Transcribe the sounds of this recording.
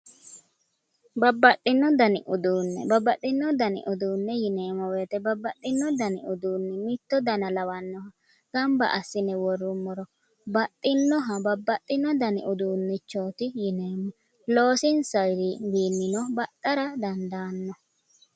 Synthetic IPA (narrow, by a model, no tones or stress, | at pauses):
bɐbːɐtʼːɪnːɔd̪ɐnɪʔʊd̪uːnːɛ̰bɐbːɐtːɪnːɔd̪ɐnɪ̰ʔʊd̪uːnːɛjɪneːmɔweːt̪ɛbɐbːɐtʼːɪnːɔd̪ɐnɪʊd̪uːnːɪmɪt̪ːɔd̪ɐnɐlɐwɐnːɔhɐ | ɡ̥ɐmbɐ̰ʔɐsːɪnɛwɔrːʊmːɔɾɔ | bɐt̪ʼːɪnːɔɦɐbɐbːɐt̪ʼːɪnːɔd̪ɐnɪ̰ʔʊd̪uːnːɪt͡ʃːoːt̪ɪjɪneːmːɔ | lo̞ːsɪnsɐjɾɪwiːnːɪnɔbɐt̪ʼːɐɾɐd̪ɐnd̪aːnːɔ